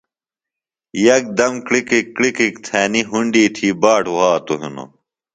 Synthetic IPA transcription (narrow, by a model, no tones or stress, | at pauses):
jɐk̚d̪ɐmkɽikikːɽikikt̪ʰæːniɦuɳɖiːt̪ʰiːbaːʈʰwaːt̪oɦḭno̰